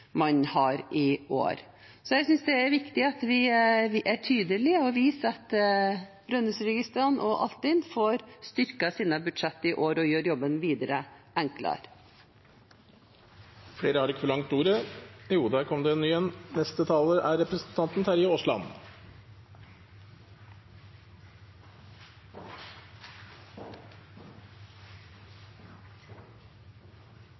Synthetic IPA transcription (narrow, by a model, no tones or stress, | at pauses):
mɑɲhɑɾɪo̰ːɾ | sɔjæɪsʏnsd̪ɛæɾʋɪkt̪ɪɑt̪ʋɪʔæʈʰyːd̪əlɪɔʋiːsɑt̪ | b̥ɾœnːʉsɾɛɡɪst̪ɾɑnʔɔʔɑ̰lt̪ɪnfoːɾst̪ʏɾkəsiːnəbʉd̪ʂɛt̪ːəɪʔoːɾɔjøːɾjɔbːənʋiːd̪əɾəʔɛŋklɑ̰ɾ | fɽeːɾəhɑɾɪkːəfɔɭɑŋt̪uːɾəjuːd̪æːɾkʰɔmd̪ɛɛnyːjɛnnɛst̪ət̪ʰɑːləʔæɾɛpɾəsn̩t̪ʰɑnt̪n̩t̪ʰæɾɪəɔslɑ̰n